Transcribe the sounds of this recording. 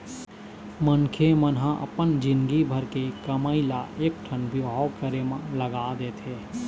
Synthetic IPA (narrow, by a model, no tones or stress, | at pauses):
mənkʰemənɦãʔə̰pənd͡ʒɪ̃nɡibʱəɾkekəməːilaʔeːk̚ʈʰənbʱiɦaːwkəɾemãləɡad̪eːt̪ʰeː